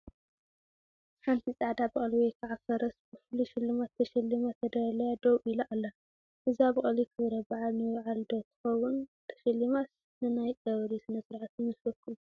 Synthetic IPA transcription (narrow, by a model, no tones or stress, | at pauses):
ħant̪ʰit͡sʼaʕd̪abɨχʼɐlwejkʰaʕafɐɾɐsbɨfɨluʃɪlːɨmat̪ʰːɐʃɐlːimat̪ʰɐd̪ɐɾɐlɐjad̪owʔiluʔalːɐ | ʔɨziaβɨχʼɐlikʰɨβɾɐbaʕalnɨwaʕald̪ot̪ʰɨ̥xɐwunt̪ʰɐ̥ʃɐlːimas | nɨnajkʼɐβɾisɨnɐsɨɾʕat̪nɨsɐkʰːɨ